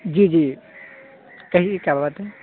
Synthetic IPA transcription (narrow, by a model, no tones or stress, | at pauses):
d͡ʒid͡ʒi | kəɦikjababət̪ɦɛ